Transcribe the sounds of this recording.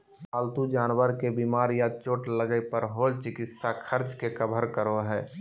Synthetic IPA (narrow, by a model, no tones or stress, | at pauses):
aːlt̪ud͡ʒaːnwəɾkebiːmaːɾjat͡ʃoːʈləɡəpəɾɦoːlt͡ʃɪkɪt̪sakʰəɾt͡ʃkekəbʱəɾkəɾoɦɛː